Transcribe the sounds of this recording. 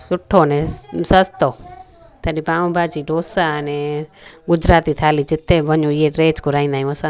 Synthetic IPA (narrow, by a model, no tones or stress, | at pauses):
sʊʈʰoːnɛ̃səst̪oː | t̪ʰəɗipaːũbaːd͡ʒiɖoːsaəneɡʊd͡ʒɾaːt̪iːt̪ʰaːliːd͡ʒɪt̪ːeʋəɲũɪeɾeːd͡ʒkoɾaːĩnd̪aːjũəsãː